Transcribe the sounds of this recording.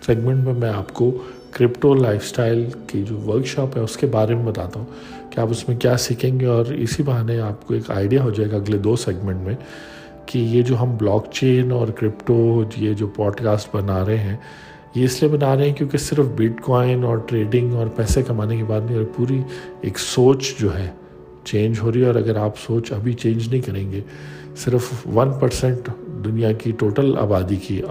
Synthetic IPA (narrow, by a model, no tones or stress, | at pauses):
sɛːɡmɛ̃ɳʈmẽmɛ̃aːpko | kɾɪpʈolaːɪfsʈaːɪlkid͡ʒoːʋəɾkʃɔːpɦɛʊskebaːɾemẽbɐt̪aːt̪aɦũ | kiaːpʊsmẽkjaːsikẽːŋɡeɔːɾɪ̰sibɐɦaːnẽaːp̚koeːka̰ːɪɖijaɦod͡ʒaeɡaɐɡled̪oːsɛːɡmɛ̃ɳʈmẽ | kijed͡ʒoːɦɐmblɔːkt͡ʃeːnɔːɾkɾɪpʈojed͡ʒoːpɔːɖkaːsʈbɐnaːɾɐɦeɦɛ̃ | jeɪsliebɐnaːɾɐeɦɛ̃kjõːkisɪɾfbɪʈkɔːɪ̃nɔːɾʈɾeːɖɪ̃ŋɡɔːɾpɛːsekɐmaːnekebaːd̪nɐɦĩɔːɾpuːɾiḛːksoːt͡ʃd͡ʒoːɦɛ | t͡ʃẽːnd͡ʒɦoːɾiɛɔːɾɐɡəɾaːpsoːt͡ʃɐbʱit͡ʃẽːnd͡ʒnɐɦĩkɐɾẽːŋɡeː | sɪɾfʋɐnpɐɾsɛ̃ɳʈd̪ʊnijakiʈoːʈəla̰ːbaːd̪iki